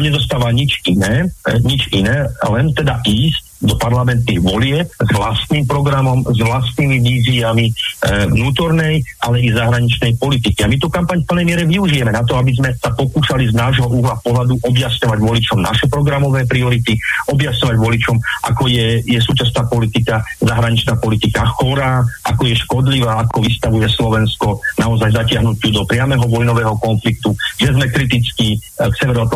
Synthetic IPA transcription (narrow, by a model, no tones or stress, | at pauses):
mɲɛd̪ɔs̬t̪aːʋaɲit͡ʃinɛːɲit͡ʃinɛːlɛnt̪ɛd̪aʔiːsc | d̪ɔpaɾlamɛnt̪niːɣʋɔlɪɛpzʋlast̪niːmpɾɔɡɾamɔmzʋlast̪niːmiʋiːziamiʋnuːt̪ɔɾnɛjʔalɛizaɦɾaɲit͡ʃnɛjpɔlit̪̬ikiamit̪̬ukampaɲfpl̩nɛjmɪɛɾɛʋiuʒijɛmɛnat̪̬ɔabizmɛsapɔkuːʃaliznaːʒɦɔʔuɦlapɔɦlad̪uʔɔbjasɲɔʋaɟʋɔlit͡ʃɔmna̰ʃɛpɾɔɡɾamɔʋɛːpɾiɔɾit̪iʔɔbjasɲɔʋaɟʋɔlit͡ʃɔmʔa̰kɔjɛjɛs̬uːt͡ʃas̬naːpɔlit̪ikazaɦɾaɲit͡ʃnaːpɔlit̪ikaxɔɾaːʔakɔjɛʃkɔd̪liʋaːakɔʋist̪aʋujɛslɔʋɛnskɔnaɔzajzacɪaɦnucuːd̪ɔpɾɪamɛɦɔʋɔjnɔʋɛːɦɔkɔnflikt̪uʒɛzmɛkɾit̪it͡ski | ksɛʋɛɾɔat̪